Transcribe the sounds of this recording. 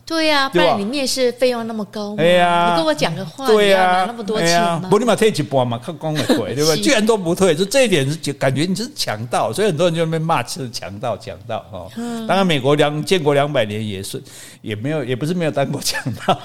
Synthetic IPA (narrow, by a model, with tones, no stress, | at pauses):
t̪we˥˩ɪa˩˥˧li˨˩mjɛ˥˧nʂɻ̩˥˩fe˥ɪjɔ˥˧ŋna˥˩mə˨˩ka˦˥ʊe˥˧ɪa˧˨ə˥˩wɔ˧˦t͡ɕja˨˩ŋə˧xwa˧˥t̪we˥˩ɪ˧a˧˨˦na˥˩mə˨˩t̪wɔ˥e˥a˧ɔ˧˥li˥˩ma˨˩t̪ʰe˥˩˨t͡ɕʰi˨˩pu˨˩a˨˩ma˨˩kʰa˥˩kɑ˥ŋwe˨˩kwe˨˥˩t̪we˥˧˨e˥˧t͡ɕy˥˩ɻa˧˦nt̪o˥ʊpu˧˥t̪ʰwe˥˩ɪt͡ɕ̩˥˧˥ʈ͡ʂɤ˥˧i˥t̪jɛ˨˩n̩˥˩t͡ɕka˨˩nt͡ɕɥɛ˧˥ni˨˩t͡ɕʰi˧˥ʂ̩˥˩t͡ɕʰjɑ̰˧˥˦ŋt̪ɑ˥˩˨ʊswi˨˩ə˨˩t̪wɔ˥˧˦t͡ɕo˥˧˩e˥˧˥ma˥˧t͡ɕʰi˥də˨˩t͡ɕʰjɑ̰˧˥ŋt̪ɑ˥˧ʊt͡ɕʰjɑ̰˨˦ŋt̪ɑ˥˩ʊhɔ̰˥˧t̪ŋɻa˧˦nme˨˩ɪkwɔ˧˥ljɑ˧˦ŋt͡ɕjɛ˥˧˨nkwɔ˧˥ljɑ˧˥ŋpa˨ɪnjɛ˧˦njɛ̰˨˩ʂ | jɛ˨˩me˧˥ɪjo˨˩ʊjɛ˨˩pu˧˥ʂɻ̩˥˩me˧˥ɪjo˨˩t̪a˥nkwɔ˧˥˩t͡ɕʰjɑ˨˧˦ŋt̪ɑ˥˨ʊ